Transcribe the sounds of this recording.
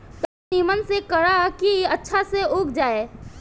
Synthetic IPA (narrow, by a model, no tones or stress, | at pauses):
t̪ɐbniːmənsekəɽakiɐtːʃʰaseʊːk̚d͡ʒaːe